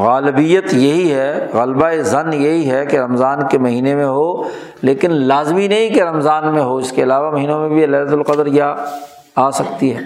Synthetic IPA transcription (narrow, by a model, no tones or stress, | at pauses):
ɣaːlɪbijət̪jɐɦiɦɛɣɐlbaezɐnjɐɦiɦɛkeɾɐmzaːnkemɐɦiːnemẽɦoː | leːkɪnlaːzminɐɦĩkeɾɐmzaːnmẽɦoɪskeɐlaːʋamɐɦiːnõmẽbʱiɐlaːlət̪ʊlqɐd̪əɾja | aːsɐkt̪iɦɛː